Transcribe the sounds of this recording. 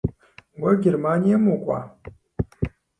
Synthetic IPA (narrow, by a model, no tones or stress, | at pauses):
wɐɡʲermaːnijamukʷʼa̰